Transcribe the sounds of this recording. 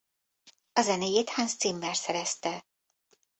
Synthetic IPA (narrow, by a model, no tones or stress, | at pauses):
ɒzɛnejeːt̪hanst̪simːɛrsɛɾɛst̪ɛ